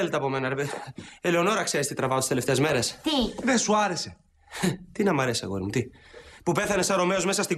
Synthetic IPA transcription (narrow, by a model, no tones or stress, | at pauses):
elet̪ɐpo̞me̞nɐɾeeeleono̞ɾɐkseɾist̪it̪ɾɐvɐot̪i̥sele̞ft̪e̞ːzme̞ɾest̪iðesuaɾe̞se̞ | t̪inɐmɐɾesiɐ̰ɣoiɾmut̪ipupeθɐne̞sɐɾo̞me̞o̞zme̞sɐst̪i